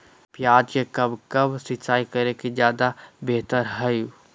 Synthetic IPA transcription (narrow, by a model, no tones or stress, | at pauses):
pjaːd͡ʒkekɐbkɐbsɪt͡ʃaːikɐɾekid͡ʒjaːd̪abeːt̪əɾɦɐju